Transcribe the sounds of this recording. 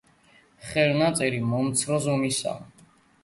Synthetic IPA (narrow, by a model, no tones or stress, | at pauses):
χɛɾnat̪sʼɛɾimɔmt̪sʰɾɔzɔmisa̰